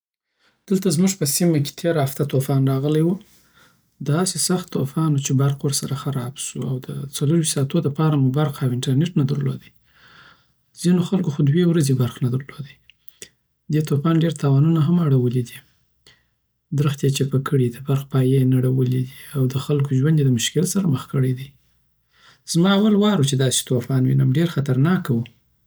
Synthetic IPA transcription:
d̪̥əlt̪azmuʐpəsimake̥t̪ʰeɾaft̪at̪ofɑnɾɑɣəlajwu | d̪əːsesaxt̪ːofɑnwut͡ʃebaɾqwəɾsaɾaxaɾɑbʃuawd̪ət͡saləɾwiʃsɑt̪od̪əpɑɾamubaɾqawɪɳʈaɾneʈnad̪əɾlo̰d̪əj | zinoxalkoxod̪wewɾazebaɾxnad̪əɾlod̪əj | d̪et̪ofɑnɖeɾt̪ɑwɑnunaɦamaɽawəlid̪i | d̪ɾəxt̪jet͡ʃepəkəɽid̪əbaɾxpɑjenaɽawəlid̪iawd̪əxalkoʒwand̪ed̪əmʊʃkɪlsaɾaməxkəɽəjd̪i | z̥mɑawalwɑɾut͡ʃed̪ɑse̥t̪ofɑnwḭnamɖeɾxat̪aɾnɑkawu

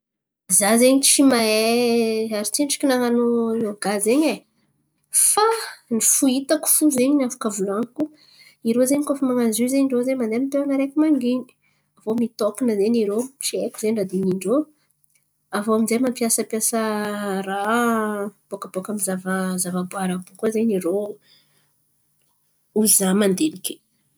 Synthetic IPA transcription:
zazeɲit͡ʃimaeaɾit͡ʃiɳʈ͡ʂi̥kinaŋanonoɡ̥azeɲe | fanifuit̪aku̥fuzeɲnafḁkavulanku | iɾozeɲkofimaŋazuzeɲiɳɖ͡ʐozemand̪eamint̪eanaɾekumaŋɡini̥ | avomit̪okinəzeniɾoʃiekuzeɳɖ͡ʐad̪iniɳɖ͡ʐo | avoaminzejmampiasəpiasəra | b̥okəbokamizavəzavəbuaɾab̥ukuzeɲiɾo | uzamand̪enike̥

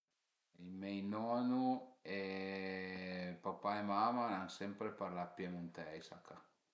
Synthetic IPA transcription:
imɛjnɔːnue | papaemamanansɛmpɾepaɾlapːjɛmunt̪ɛjsakʰːa

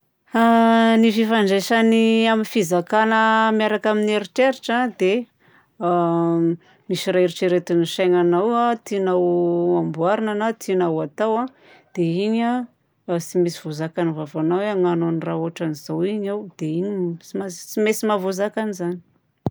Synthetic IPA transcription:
anififaɳɖ͡ʐaʃaniaminfizakanəmiaɾakamineɾiʈ͡ʂeɾiʈ͡ʂad̪e | misiraiɾiʈ͡ʂiɾet̪iniʃajŋanawat̪inawambuaɾinanat̪ʰinawat̪awa | d̪̥eiɲa | simisiv̥ozakanivavanaweaŋanonrauaʈ͡ʂaniz̥awiɲawd̪̥einiimasimesimavozakanizani̥

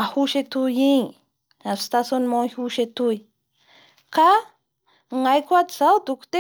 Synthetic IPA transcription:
ahuʃet̪uji | ast̪asonmohuʃet̪uj | ka | ŋajkʷat̪sawt̪ukt̪e

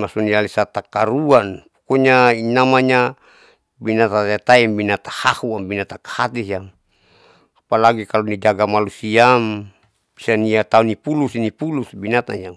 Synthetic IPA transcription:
masunialisat̪akaɾuanpukuɲainamaɲa | binat̪at̪et̪aimbinat̪ahahuambinat̪akḁhat̪isiam | apalaɡikalunid͡ʒaɡamalusiam | bisaniat̪aunipulusinipulusbinat̪ajaŋ

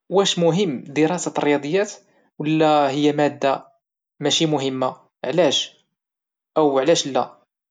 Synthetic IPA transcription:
wæʃmʊɦəmːd̪əɾˤɑsarˤːjɑd̪ˤəjːæt̪ | wəlːæhəjːæmæd̪ːa | mæʃimʊɦəmːa | ʕlæʃ | ʔəwʕlæʃlːæ

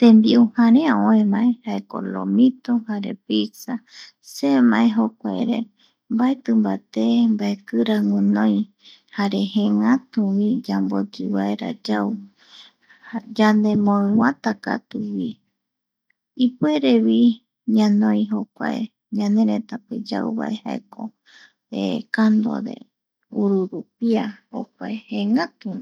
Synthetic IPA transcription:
t̪ẽmbiuhãɾẽaõẽmãʔe̞haeko̰lo̰mĩt̪ohaɾe̞̰pisa | semãʔeɦokʷaeɾḛ | mbaet̪ɨmbat̪embaekɨɾaŋũnõj̃ | haɾe̞hẽŋãt̪uwid͡ʒambo̰d͡ʒɨwaeɾa̰d͡ʒaw | hd͡ʒand̪ẽmõɨ̃wãt̪aka̰t̪uwi | ipueɾeβi | ɲãnõj̃ɦokʷa̰ḛ | ɲãnẽ̞ɾẽt̪aped͡ʒa̰uβa̰ʔeha̰ḛko | ekand̪o̞̰ɾe̞̰ | uɾuɾup̚iaho̰k̚ʷaehẽŋãt̪ui

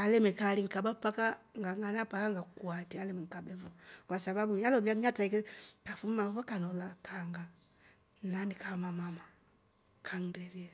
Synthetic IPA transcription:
alɛmɛkaliŋ̩kabapakaŋɡaŋɡanapakaŋɡakwatialɛmɛŋ̩kabɛβɔkwasaβabuɲalɔliamiataikɛkafummaβakanɔlakʰaŋɡa | nanikamamama | kʰaŋdɛðia

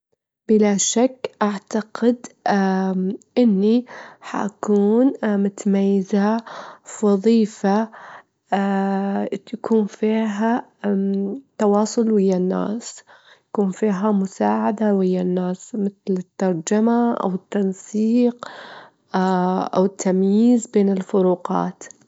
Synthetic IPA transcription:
bɪlaʃakːʔaʕt̪aqɪd̪ | ʔɪnːiħa̰ʔakuːnmʊt̪amajːɪza | wɑðˤiːfa | jakʰuːnfiːɦa | t̪ɑwɑːsˤʊlwɪjːanːa̰ːs | jakuːnfiːɦamʊsaːʕad̪awɪjːanːaːsmɪt̪lɪt̪ːɑɾˤd͡ʒamaʔa̰wɪt̪ːɑnsˤiːq | ʔa̰wɪt̪ʰːamjiːzbeːnɪlfʊɾuːqɑ̰ːt̪

